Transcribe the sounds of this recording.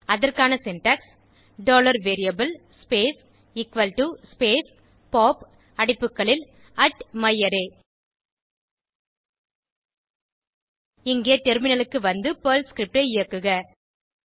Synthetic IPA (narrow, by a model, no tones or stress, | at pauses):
ɐðɐrkaːnɐsɪnʈɐks | ɖoːlɐɾʋeːɾɪjɐbɐl | speːs | ɪkʋɐlʈuspeːs | poːp | ɐɽɪpːɯkːɐɭɪl | ɐʈmɐjːɐɾeː | ɪŋɡeːʈɛɾmɪnɐlɯkːɯʋɐnd̪ɯpɐːlskɾɪp̚ʈɐɪɪjɐkːɯɣɐ